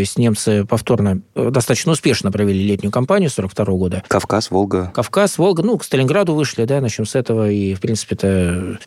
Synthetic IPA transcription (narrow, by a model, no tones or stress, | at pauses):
oɪsʲtʲnʲe̞mt̪sɨpɐft̪o̞rnəd̪ɐst̪at̪ə̥t͡ɕnəʊspʲe̞ʂnəpɾəvʲɪlʲilʲetʲnʲʊjʊkɐmpanʲɪjʊso̞ɾəkft̪ɐɾo̞vəɡo̞d̪əkɐfkasvolˠɡəkɐfkasvo̞lˠɡənukst̪əlʲɪnɡɾad̪ʊvɨʂlʲɪd̪anɐt͡ɕomsɛt̪əvəifpɾʲint̪sɨ̥pʲɪɛt̪ə